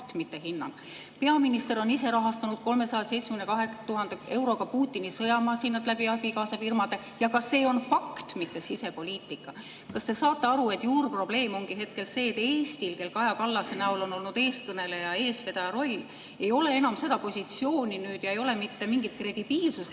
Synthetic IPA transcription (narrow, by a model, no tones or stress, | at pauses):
t̪mit̪ːe̞ɦinːɑ̰n | pe̞ɑminist̪e̞ɾo̞nise̞ɾɑɦɑst̪ɑnud̪̥̚ko̞lme̞sɑjɑse̞jt̪smenekɑɦe̞t̪uɦɑnd̪eʔe̞wɾo̞ɡɑpuːt̪ːˑinisɤjɑmɑːsinːɑt̪læb̥iɑb̥ikɑːsɑfirmɑd̪e̞ | jɑkɑsːe̞ːo̞nfɑkt̪mit̪ːe̞sise̞po̞lʲiːt̪ːˑikːˑɑ | kɑst̪e̞sɑːt̪ˑːe̞ɑɾue̞t̪ːˑjuːrpro̞b̥le̞ːmo̞ŋɡ̥iɦe̞t̪̚ke̞lse̞ːt̪ːˑeːst̪ilke̞lkɑjɑkɑlːɑsenæulo̞no̞lnud̪e̞ːs̚kɤne̞le̞jɑe̞ːsve̞d̪̥ɑjɑɾo̞lʲː | e̞jo̞le̞e̞nɑmse̞d̪ɑpo̞sʲit̪sio̞ːnʲinyːd̪̥jɑejo̞le̞mit̪ːe̞miŋɡit̪̚kre̞d̪̥ib̥iːlsus